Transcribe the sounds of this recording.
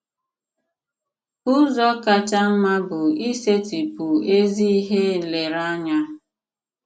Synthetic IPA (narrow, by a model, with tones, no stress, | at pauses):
ʊ˦zɔ˦ka˦t͡ʃa˦m̩˦ma˦bʊ˨i˦se˦ti˨pʊ˨e˦zi˦i˦ɦe˦˨le˨ɾa˦ɲa˦